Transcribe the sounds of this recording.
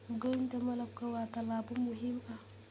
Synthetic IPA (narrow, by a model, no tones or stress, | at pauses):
ɡantamɐlab̚kawat̪alaːbumuɦima